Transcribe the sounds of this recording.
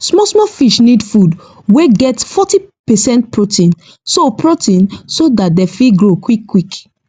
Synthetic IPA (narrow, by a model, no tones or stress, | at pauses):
smɔsmɔfiʃnidfud | weɡɛtfɔtipɛsɛ̃ntpɹotĩn | sopɹotĩnsodat̚dɛfiɡɹokwikːwik